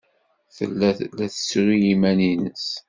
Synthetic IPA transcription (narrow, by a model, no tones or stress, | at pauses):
θə̰lːælæθə̥sɾijimæninə̰s